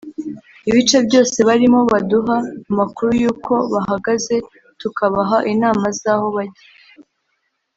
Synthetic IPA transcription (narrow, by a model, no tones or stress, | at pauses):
iβit͡ʃe̞bɟo̞ːse̞βaɾimo̞βaduɦaumakuɾujuːkʰo̞βaɦaɡaze̞ | tukaβaɦaʔinaːmazaːho̞βaɟije